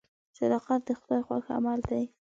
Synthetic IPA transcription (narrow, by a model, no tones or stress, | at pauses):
sad̪ɑqat̪̚d̪əxʊd̪ɑjxwa̰xa̰mald̪aj